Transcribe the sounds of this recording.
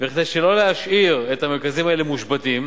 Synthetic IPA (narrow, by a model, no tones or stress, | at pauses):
veχd̪ejʃelo̞lehaʃʔiʁet̪hameʁkazimaelemuʃbatim